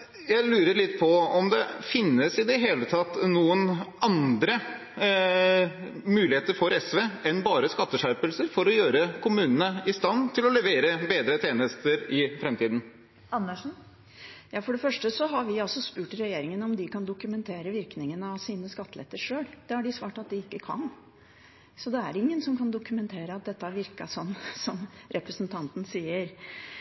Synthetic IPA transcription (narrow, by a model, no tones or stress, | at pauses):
jæɪlʉːɾəlɪt̪ːpʰɔɔmd̪ɛfɪnːəsɪd̪ɛɦeːlət̪ʰɑt̪ːnuːənɑnd̪ɾə | mʉːlɪheːt̪əɾfɔɾɛsʋeːɛnbɑːɾəskɑt̪ːəʂæɾpəlsəɾfɔɾɔjøːɾəkʰʊmʉːnənəɪst̪ɑnːt̪ʰɪlɔlɛʋeːɾəbeːd̪ɾət̪ʰeːnəst̪əɾɪfɾɛmt̪iːd̪n̩ | ɑnːəʂn̩ | jɑːfɔɖɛfœʂʈəsɔɦɑɾʋɪɑlsɔspʉːʈɾɛjeːɾɪŋənəɔmd̪ɪkɑnd̪ʊkʉmɛnt̪ʰeːɾəʋɪɾknɪŋənəɑʋsiːnəskɑt̪ːəlɛ̰t̪ːəʂøːld̪̥ɛæɖɪsʋɑːʈɑt̪̚d̪ɪɪkːəkʰɑ̰n | sɔd̪ɛæɾɪŋːənsɔmkʰɑnd̪ʊkʉmɛnt̪ʰeːɾəɑt̪̚d̪ɛt̪ːəɑɾʋɪɾkɑsɔnːsɔmɾʔɛpɾəsnt̪ʰɑnt̪n̩siːəɾ